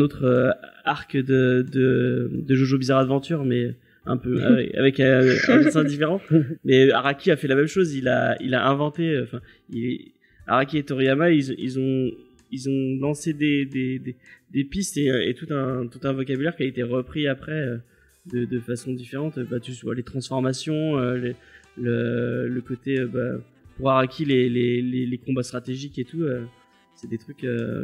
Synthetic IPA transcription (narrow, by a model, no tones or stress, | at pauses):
ɛ̃not̪χøaʁkd̪əd̪əd̪əʒoʒobizaʁad̪vɑ̃t̪yʁmɛø | ɛ̰̃pøa̰vɛa̰vɛkɛ̃ɛ̰̃psɛ̃d̪ifeʁɑ̃mɛøaʁakʲiafɛlamɛmʃozila̰ḭlaʔɛ̃vɑ̃t̪eøɑ̃fɛ̃ | ilɛ | a̰ʁakʲiet̪ɔʁijamailzɔ̃ḭlzɔ̃ | ilzɔ̃lɑ̃sed̪ed̪ed̪ed̪epist̪eḛt̪ut̪ɛ̃t̪ut̪ɛ̃vɔkʲabylɛʁkʲiaet̪eʁəpχiapχɛø | d̪əd̪əfasɔ̃d̪ifeʁɑ̃t̪øbat̪ysvwa̰let̪χɑ̃sfɔʁmasjɔ̃ølələləkot̪eøba | puʁaʁakʲilelelelekɔ̃bast̪χat̪eʒiket̪uø | sɛd̪et̪χykø̰